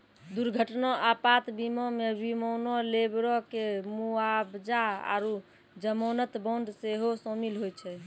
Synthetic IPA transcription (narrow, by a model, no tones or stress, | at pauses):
d̪uɾɡʱəʈnɔʔapat̪bimɔmebimɔnɔlebɾɔkemuabd͡ʒaa̰ɾu | d͡ʒəmɔnət̪bɔ̃nd̪seɦosomilɦojt͡ʃʰɛ